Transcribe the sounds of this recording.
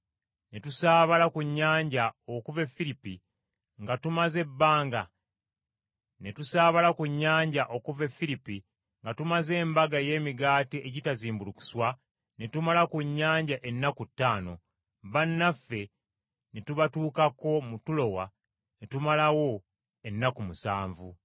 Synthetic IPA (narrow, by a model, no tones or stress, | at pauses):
netusaːβalakuɲːaːɲɟaokuve̞fːiɾipi | ŋɡatumaze̞bːaːŋɡa | ne̞tusaːβalakuɲːaːɲɟaʔo̞kuvefːiɾipi | ŋɡatumaze̞ːmbaɡaje̞ːmiɡaːtiʔeɟitaziːmbuluku̥swa | ne̞tumalakuɲːaːɲɟaʔenːakutːaːno̞̰ | βanːafːe̞ | netuβatuːkako̞mutulo̞wa | ne̞tumalawo̞ | e̞nːakumusaːɱvu